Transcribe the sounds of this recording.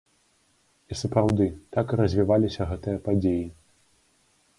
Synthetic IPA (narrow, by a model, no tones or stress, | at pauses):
isɐpɾawd̪ɨt̪akɨɾɐzʲvʲivalʲisʲɐɣɛt̪ɨjɐpad͡zʲeji